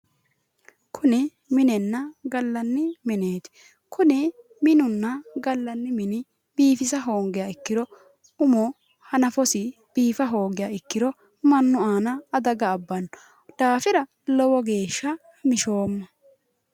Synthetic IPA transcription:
kʰʊnɪ | mɪnɛnːɐɡɐlːɐnːɪmɪneːt̪ɪ̥ | kʰʊnɪ | mɪnʊnːɐɡɐlːɐnːɪmɪnɪ | biːfɪsɐɦo̞ːŋɡɪjaɪkːɪd̪ɔ | ʊmo | hɐnɐfɔsɪ | b̥iːfɐɦo̞ːŋɡɪjaːɪkːɪɾɔ | mɐnːʊaːnɐːd̪ɐɡɐːbːɐn | d̪̥aːfɪɾɐ | lɔwɔɡe̞ːʃːɐ | mɪʃo̞ːmːɐ

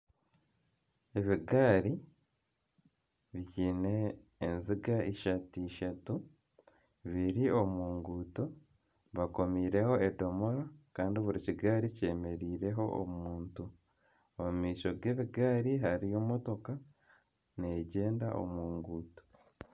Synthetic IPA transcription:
e̞βiɡaːɾi | βjine̞ːnziɡaiʃatiːʃatu | βiɾio̞muːŋɡuːto | βako̞miːɾe̞ho̞edo̞moɾakaːndiβuɾiciɡaːɾice̞ːme̞ɾiːɾe̞ɦo̞ʔo̰mumuːntu | omumiːʃo̞ɡeːβiɡaːɾiɦaɾijo̞mo̞to̞ka | ne̞ɟe̞ːndaʔo̰muːŋɡuːto̥

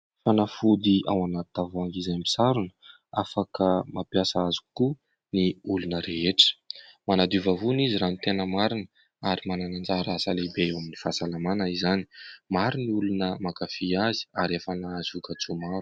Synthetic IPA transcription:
fanafud̪ia̰wanat̪t̪avoaŋɡizajmbi̥saɾunə̥ | afakəmapjasaaziku | niulunəɾeɦeʈ͡ʂə̥manad̪uvavuniziɾant̪enəmaɾinə | aɾimananand͡zaɾasalebeewaminifasalamanəizanimaɾuniulunəmakafiazi̥aɾefanaazvukət͡sumaɾu

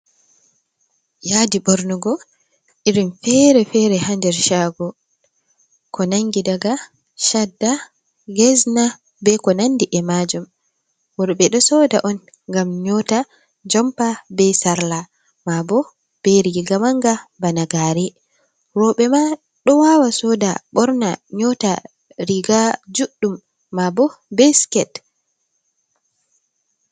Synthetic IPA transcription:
jadibɔɾnuɡɔ | ʔiɾimfɛɾɛfɛɾɛhandɛɾʃaɡɔ | kɔnaŋɡidaɡa | ʃadːa | ɡɛzna | bɛkɔnandiʔɛmad͡ʒum | wɔɾbɛɗɔsɔdaʔɔn | ŋɡamɲɔta | d͡ʒɔmpabɛsaɾla | mabɔ | b̥ɛɾiɡamaŋɡabanaɡaɾɛ | ɾɔɓɛma | ɗɔwawasɔdaɓɔɾna̰ɲɔta | ɾiɡad͡ʒuɗːumː | abɔbɛskɛt

